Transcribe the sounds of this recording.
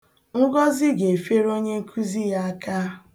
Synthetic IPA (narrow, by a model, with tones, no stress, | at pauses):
ŋ̩˦ɡɔ˦zɪ˦ɡe˨fe˦ɾo˦ɲe˦kʰu˦zi˦ja˦a˦ka˦